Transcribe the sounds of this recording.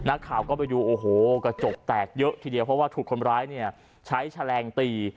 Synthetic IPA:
na˦˥kʰːaː˨˩wkɔː˥˩pa˧jɾuː˧ʔoː˨˩ɦoː˨˩kɾa˧t͡ɕo˨˩k̚t̪ɛː˨˩k̚jɤ˦˥ʔt̪ʰiː˧di˧pʰɔ˦˥waː˥˩t̪ʰuː˨˩k̚ʰo˧nɾaː˦˥jni˥˩ɐ | t͡ɕʰa˦˥jt͡ɕʰa˧lɛː˧ŋt̪iː˧

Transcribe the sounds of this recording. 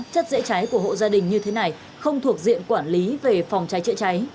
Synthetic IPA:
t͡ɕə˦˥t̚zḛ˧˥t͡ɕa˨˦jku˧˩əɦo̰˧˨zaː˧ɗï˨˩ŋ̟ɲɨ˧t̪ʰe˨˦na˨˩j | xə˧wŋ͡mt̪ʰu˨˩ək̚zḭ˧˨ənkwaː˧˩nli˨˦ve˨˩fa˨˩wŋ͡mt͡ɕa˨˦jt͡ɕə̰˧˥t͡ɕa˨˦j

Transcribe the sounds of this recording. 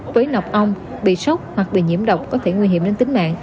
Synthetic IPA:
vəː˨˦jna˨˩wk͡p̚ʔə˧wŋ͡m | ɓḭ˧˨sə˦˥wk͡p̚hwa˨˩k̚ɓḭ˧˨ɲḭ˧˩əmɗə˨˩wk͡p̚kɔ˨˦t̪ʰe˧˩ŋwi˧ɦi˧˩əmne˧nt̪ï˨˦ŋ̟ma̰ː˧˨ŋ

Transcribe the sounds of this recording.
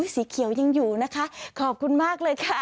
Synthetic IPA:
siː˨˩˦kʰi˨˩˦wja˧ŋjuː˨˩na˦˥kʰa˦˥ʔkʰɔː˨˩p̚kʰu˧nmaː˥˩k̚lɤː˧jkʰa˦˥˩

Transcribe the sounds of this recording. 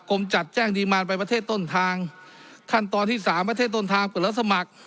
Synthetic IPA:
kʰo˧mt͡ɕa˨˩t̪̚t͡ɕɛː˥˩ŋdiː˧maː˧np̬a˧jpɾa˧t̪ʰeː˥˩t̪ːo˥˩nt̪ʰaː˧ŋkʰa˥˩nt̪ɔː˧nt̪ʰiː˥˩saː˩˦mpɾt̪eː˥˩t̪ːo˥˩nt̪ʰaː˧ŋpɤ˨˩la˧˥˩sa˧ma˨˩k̚

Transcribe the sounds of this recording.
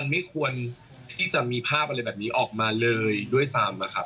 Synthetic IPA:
a˧nma˥˩jkʰu˧ən | t̪ʰiː˥˩t͡ɕa˨˩miː˧pʰaː˥˩p̚ʔa˧ɾa˧jbɛː˨˩p̚niː˦˥ʔɔː˨˩k̚maː˧lɤː˧jdu˥˩əjsaː˧mna˦˧˩kʰa˦˥p̚

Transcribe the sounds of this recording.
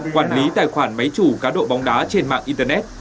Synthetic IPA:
kwaː˧˩nli˨˦t̪aː˧˨˩jxwaː˧˩nmə˨˦jt͡ɕu˧˩kaː˨˦ɗo̰˧˨ɓɔ˨˦wŋ͡mɗaː˨˦t͡ɕe˧nma̰ː˧˨ŋʔi˧nt̪əː˧nɛ˦˥t̚

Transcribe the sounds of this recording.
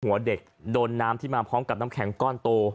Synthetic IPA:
hu˩˦ɐde˨˩k̚doː˧nːaː˦˥mt̪ʰiː˥˩maː˧pʰɔː˦˥mka˨˩p̚naː˦˥kʰɛ˩˦ŋkɔː˥˩nt̪oː˧

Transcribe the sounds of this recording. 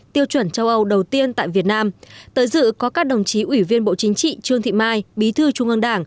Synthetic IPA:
t̪i˧əwt͡ɕwə˧˩nt͡ɕa˧wʔə˧wɗə˨˩wt̪i˧ənt̪a̰ː˧˨jvi˨˩ət̚naː˧mt̪əː˨˦jzɨ̰˧˨kɔ˨˦kaː˦˥k̚ɗə˨˩wŋ͡mt͡ɕi˨˦ʔwi˧˩vi˧ənɓo̰˧˨t͡ɕï˨˦ŋ̟t͡ɕḭ˧˨t͡ɕɨ˧əŋt̪ʰḭ˧˨maː˧jɓi˨˦t̪ʰɨ˧t͡ɕʊ˧ŋʔə˧nɗaː˧˩ŋ

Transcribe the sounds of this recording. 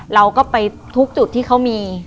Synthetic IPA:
ɾa˧wkɔː˥˩pa˧j | t̪ʰu˦˥k̚t͡ɕu˨˩t̪ʰːiː˥˩kʰa˦˥wmiː˧

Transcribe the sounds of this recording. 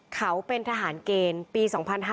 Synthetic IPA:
kʰa˦˥wpe˧nt̪ʰaː˧ɦaː˩˦nkeː˧npiː˧sɔː˩˦ŋpʰa˧nɦa

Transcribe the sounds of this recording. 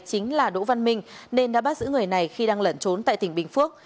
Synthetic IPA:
t͡ɕï˨˦ŋ̟laː˨˩ɗo̰˧˥va˧nmï˧ŋ̟ne˧nɗa̰ː˧˥ɓaː˦˥t̚zɨ̰˧˥ŋɨ˨˩əjna˨˩jxi˧ɗaː˧ŋlə˧˩nt͡ɕo˨˦nt̪a̰ː˧˨jt̪ï˧˩ŋɓï˧˩ŋ̟fɨ˦˥ək̚

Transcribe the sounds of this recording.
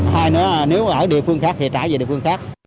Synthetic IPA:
haː˧jnɔ˨˦˨ne˨˦wʔəː˧˩ɗḭ˨˧˨əfɨ˧əŋxaː˦˥k̪̚ʰi˨˩t͡ɕaː˧˩ji˨˩ɗḭ˨əfɨ˧əŋxaː˦˥k̚

